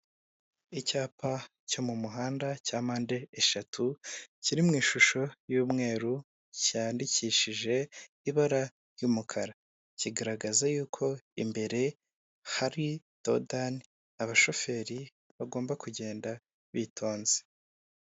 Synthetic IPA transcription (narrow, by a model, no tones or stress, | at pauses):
icaːpa | co̞mumuɦaːndacaːmaːnde̞ːʃatʰuciɾimŋiːʃuʃo̞juːmŋe̞ːɾu | caːndiciːʃiʒe̞ | iβaɾa | jumukʰaɾa | ciɡaɾaɡazajuːkʰo̞ḭmbe̞ɾe̞ | haɾi | to̰dan | aβaʃo̞fe̞ːɾi | βaɡo̞ːmbakuɟe̞ːnda | βitʰo̞ːnze̥